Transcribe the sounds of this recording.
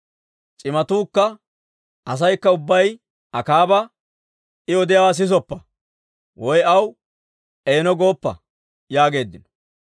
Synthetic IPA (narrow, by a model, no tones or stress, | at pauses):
t͡ʃʼɪmɐt̪uːkːɐ | ʔɐs̬ɐjkːɐʊbːɐj | ɐkaːbɐ | ɪɔd̪ɪjawas̬ɪs̬ɔpːɐ | wɔjɐw | eːnɔɡo̞ːpːɐ̰ | jaːɡe̞ːd̪ːɪnɔ̥